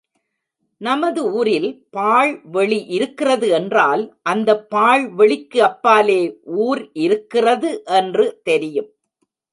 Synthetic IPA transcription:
nɐmɐðɯuːɾɪlpaːɭʋɛɭiʔɪɾɯkːɪrɐðɯɛndraːlʔɐnd̪ɐpːaːɭʋɛɭɪkːɯɐpːaːleːʔuːɾɪɾɯkːɪrɐðɯʔɛndrɯt̪ɛɾɪjɯm

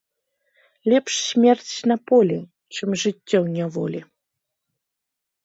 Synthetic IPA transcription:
lʲɛpʂsmʲɛrt͡sʲnɐpɔlʲi | t͡ʂɨmʐɨtʲːɔwnʲɛvɔ̰lʲi

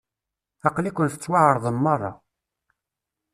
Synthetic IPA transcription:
ɑqlikʷənθə̥t͡sːwaʕəɾˤðˤəmːɑrˤːɑ̰

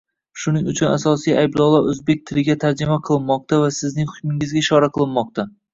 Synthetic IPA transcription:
ʃʊnɪŋʊt͡ʃʰʊna̰sɒsijajblˠɒwlˠaɾɵzbe̞k̚ʲt̪ʰɪlɪɡʲat̪ʰaɾd͡ʒɪmaqʰɨlˠɪnmɒq̚t̪ʰavasɪznɪŋhʊkʲmɪŋɪzɡʲaʃɒɾaqʰɨlˠɪnmɒq̚t̪ʰa

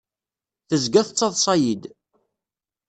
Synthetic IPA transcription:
θəzɡæθət͡sˤːɑðˤsˤɑjid̪

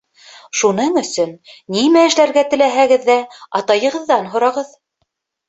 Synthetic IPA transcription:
ʃunɤɴɵ̆sɵnːimæɘ̆ʃlæɾɡæt̪ɘ̆læɦæɡɘðːæɑ̰t̪ɑjɤ̆ʁɤ̆ðːɑnɦŏɾɑʁɤð

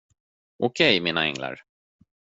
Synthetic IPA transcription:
ʔɔkʰɛjmiːnaɛŋla̰ɾ

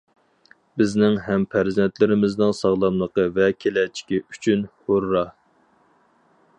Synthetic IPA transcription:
bɪznɪŋɦɛmpʰæɾzɛnt̪lɪɾɪmɪznɪŋsɑʁlˠɑmlˠəqəvɛkʲʰelɛt͡ʃʰi̥kʲiy̥t͡ʃʰynhoɾːɑ

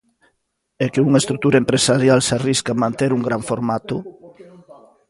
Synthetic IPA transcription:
ɛkeuŋɐest̪ɾuk̚t̪uɾɐempɾesaɾjalsariskamãnt̪eɾuŋɡɾaɱfoɾmat̪ʊ

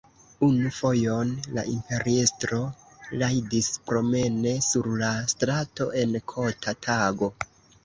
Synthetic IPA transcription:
unufo̞jo̞nla̰ʔimpe̞ɾiestɾo̞ | lajdispɾo̞me̞ne̞suɾlastɾato̞ʔe̞nkʰo̞tʰatʰaɡo̞

